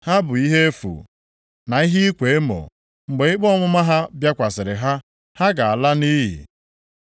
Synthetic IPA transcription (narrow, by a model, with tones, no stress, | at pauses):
ha˦bʊ˨i˦ɦe˦e˦fṵ˨ | na˨i˦ɦi˦i˦kʷe˨e˦mo̰˨ | ŋ͡m̩˨ɡ͡be˨i˦k͡pɔ˦ŋʷʊ˦ma˦ɦa˦bja˦kʷa˨sɪ˨ɾɪ˨ɦa˦ | ha˦ɡa˨a˨la˦ni˦ɦḭ˨